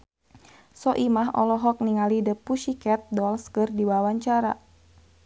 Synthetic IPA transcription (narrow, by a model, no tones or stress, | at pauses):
sɔʔimaɦɔ̰lɔɦɔk̚niŋalidəpuʃikɛt̪̚dɔlskɨrdiwawaɲt͡ʃaɾa̰